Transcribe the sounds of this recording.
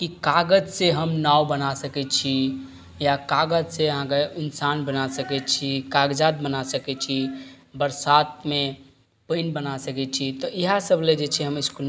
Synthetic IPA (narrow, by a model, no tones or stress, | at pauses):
kikaɡəd͡ʒseɦəmnawbənasəkɛt͡ʃʰi | jakaɡəd͡ʒseəɦãkeɪnsanbənasəkɛt͡ʃʰikaɡd͡ʒad̪̚bənasəkɛt͡ʃʰi | bəɾsat̪̚mẽ | pənbənasəkɛt͡ʃʰit̪ɔiɦasəbled͡ʒet͡ʃʰɛɦəmɪskun